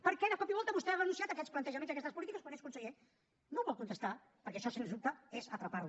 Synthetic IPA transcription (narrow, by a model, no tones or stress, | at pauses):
pəɾkɛnəkɔpiβɔlˠt̪əβust̪ɛaβənũnsiat̪əkɛsplənt̪əʒəmenzðəkɛst̪əspulit̪ikəskənɛskunsəɣe | nowβɔlˠkunt̪əst̪a | pəɾkɛʃɔsenzðup̚t̪əezət̪ɾəpaɾlu